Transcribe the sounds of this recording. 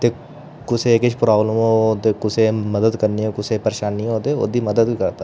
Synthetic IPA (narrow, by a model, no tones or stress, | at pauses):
t̪eː | kʊseːkɪʃʰpɾaːbləmõːt̪eːkʊseːməd̪əd̪kəɾnioːkʊseːpəɾeʃaːnːĩːɦoːd̪eːo̰ːd̪iːməd̪əd̪iːkəɾd̪aː